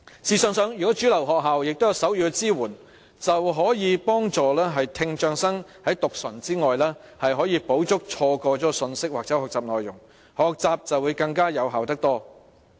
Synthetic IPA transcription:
siː˨sœː˨ŋsœː˨˧ŋjyː˨˩kɔ˨˥t͡ʃyː˨˥lɐ˨˩wɦɔː˨k̚ɦaː˨wjɪ˨k̚t̪o˥jɐ˨˧wsɐ˨˥wjyː˧kɛ˧t͡siː˥wuː˨˩n | t͡sɐ˨wɦɔː˨˥jiː˨˧pɔː˥ŋt͡sɔː˨lɛː˥ɦɐ˨jt̪ʰɪ˧ŋt͡ʃœː˧ŋsɐ˥ŋhɐ˨˥jt̪ʊ˨k̚sɐ˨˩nt͡siː˥ŋɔː˨jlɛː˥ | hɐ˨jɦɔː˨˥jiː˧po˨˥wt͡sʊ˥k̚t͡ʃʰɔː˧kɔː˧t͡ʃɔː˨˥sɵ˧nsɪ˥k̚waː˨k̚t͡sɛː˨˥hɔː˨k̚t͡saː˨p̚nɔː˨jʊ˨˩ŋ | hɔː˨k̚t͡saː˨p̚t͡sɐ˨wːuː˨˧jkɐ˧ŋkaː˥jɐ˨˧wɦaː˨wt̪ɐ˥k̚t̪ɔː˥

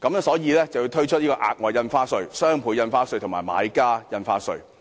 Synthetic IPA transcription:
kɐ˨˧m˥sɔː˨˥jiː˨˧lɛː˥t͡sɐ˨˩wjuː˨˧t̪ʰɵ˥ɥt͡ʃʰɵ˥t̚jiː˥kɔː˧ʔa̰ː˨k̚ŋɔː˨j̚jɐ˧nfaː˥sɵ˧ɥsœː˥ŋpʰuː˨˥jɐ˧nfaː˥sɵ˧ɥt̪ʰʊ˨˩ŋmaː˨˩jma̰ː˨˧˥jkaː˥jɐ˧nfaː˥sɵ˨˧ɥ

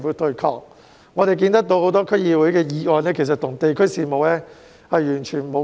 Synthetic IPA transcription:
wuː˨˧˥t̪ɵ˧kʰɔ̰ː˨˩k̚ | ŋɔː˨˧ɾe˨jkiː˧nt̪ɐ˥k̚t̪o˧who˨˥wt̪ɔː˥kʰɵ˥jiː˨˧wu˨˥jkɛː˧jiː˨˧ŋɔː˨˧nɛː˥kʰe˨˩s̬ɐ˨t̪ʰʊ˨˩ŋt̪e˨jkʰɵ˥siː˨˧mo˨wlɛː˥ | hɐ˨jjyː˨˩nt͡ʃʰyː˨˩nmo˨˧

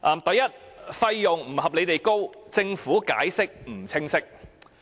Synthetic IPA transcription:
ʔɐː˧mt̪ɐ˨˧jɐ˥t̚fɐ˧jːʊ˨ŋm̩˨˩hɐ˨p̚le˨˧jt̪e˨jko˥wt͡sɪ˧ŋfuː˨˥ka̰ː˨˥jsɪ˥k̚m̩˨˩t͡sʰɪ˥ŋsɪ˥k̚

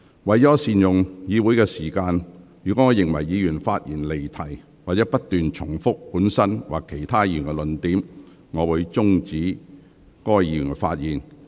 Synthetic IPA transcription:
wɐ˨jɔː˨˥siː˨njʊ˨ŋjiː˨˧wu˨˥jkɛ˧siː˨˩kaː˧njyː˨˩kɔː˨˥ŋɔː˨˧jɪ˨ŋwɐ˨˩jːiː˨˧jyː˨˩nfaː˧t̚jiː˨˩nle˨jt̪ʰɐ˨˩j | waː˨t̚t͡sɛː˨˥pɐ˥t̚t̪ːyː˨nt͡ʃʰʊ˨˩ŋfʊ˥k̚puː˨˥nsɐ˥nwa̰ː˨˩kʰːe˨˩jt̪ʰaː˥jiː˧jy̰˨˩nkɛ˧lɵ˨˧nt̪iː˨˥m | ŋɔː˨˧wuː˨˧ɥt͡sʊ˥ŋt͡siː˨˥ | kɔː˥jiː˨˧jy̰˨˩nfa̰ː˧t̚jiː˨˩n

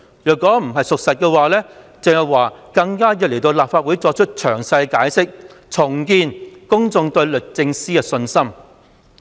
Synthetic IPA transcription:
jœː˨˩kːɔː˨˥m̩˨˩ɦɐ˨jsʊ˨k̚sɐ˨t̚kɛː˧waː˨lɛː˥ | t͡sɪ˨ŋhɐ˨˩wwaː˨˩kɐ˧ŋkaː˥jɐ˨t̚le˨˩jt̪o˧wlaː˨pfaː˧t̚wu˨˥jt͡sɔː˧k̚t͡ʃʰɵ˥t̚t͡ʃʰœː˨˩ŋsɐ˧jkaː˨˥jsɪ˥k̚t͡sʰʊ˨˩ŋkiː˧nkʊ˥ŋt͡sʊ˧ŋt̪ɵ˧ɥlɵ˨k̚t͡sɪ˧ŋsiː˥kɛ˧sɵ˧nsɐ˥m

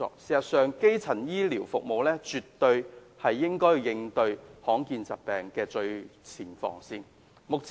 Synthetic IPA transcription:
ɔ̰ː˧˩k̚siː˨˩sɐ˨˩t̚sœː˨˧ŋke˥jt͡sʰɐ˨˩njiː˥liː˨˩wfʊ˨k̚mo˨wlɛː˥t͡ʃy˨t̪ːɵ˧ɥ | hɐ˨jːɪ˥ŋkɔː˥jjɪ˧ŋt̪ɵ˧ɥhɔː˨˥ŋkiː˧nt͡sɐ˨t̚pɛː˨˩ŋkɛː˧t͡ʃɵ˧ɥt͡sʰiː˨˩nfɔ̰ː˨˧ŋsiː˥n | mʊ˨k̚t͡s

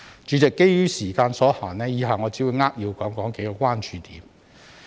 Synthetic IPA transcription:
t͡ʃyː˨˥t͡sɛ˨kːe˥jjyː˥siː˨˩kaː˧nsɔː˨˥haː˨˩nnɛː˥jiː˨˧ɦaː˨˩ŋɔː˨˧t͡siː˨˥wuː˨˧jŋaː˥k̚jiː˧wkɔː˨˥ŋkɔː˨˥ŋke˨˥jkɔː˧kʷwʷaː˥nt͡ʃyː˨˧t̪iː˨˥m

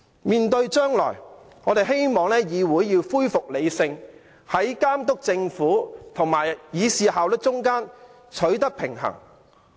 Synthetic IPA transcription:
miː˨nt̪ɵ˧ɥt͡ʃœː˥ŋlɔ̰ː˨˩j | ŋɔː˨˧t̪e˨jɦe˥jmɔː˨ŋlɛː˥jiː˨˧wuː˨˥jjiː˧wfuː˥jfʊ˨k̚le˨˧jsɪ˧ŋ | hɐ˨˥jkaː˥mt̪ʊ˥k̚t͡sɪ˧ŋfuː˨˥t̪ʰʊ˨˩ŋmaː˨˩jjiː˨˧siː˨haː˨wlɪ˥t͡ʃʊ˥ŋkaː˥n | t͡ʃʰɵ˨˥ɥt̪ɐ˥k̚pʰɪ˨˩ŋhɐ̰˨˩ŋ

